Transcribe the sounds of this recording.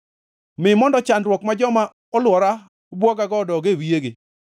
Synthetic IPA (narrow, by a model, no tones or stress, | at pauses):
mɪmɔndɔt͡ʃandɾwɔkmad͡ʒɔma | ɔlwɔɾa | bwɔɡaɡɔdɔɡewieɡe